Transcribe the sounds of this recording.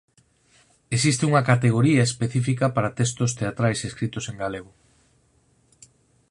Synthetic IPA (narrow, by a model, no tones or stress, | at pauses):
esist̪euŋɐkat̪eɣ̞oɾiɐespeθifikɐpaɾat̪est̪ʊst̪eat̪ɾajseskɾit̪ʊseŋɡaleɣ̞ʊ